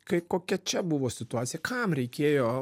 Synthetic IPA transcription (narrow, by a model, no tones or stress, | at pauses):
kɐɪkoːkʲɛt͡ʃʲɛbʊʋoːsʲɪt̪ʊaːt̪sʲɪjɛkʰɐmɾʲɛɪkʲeːjoː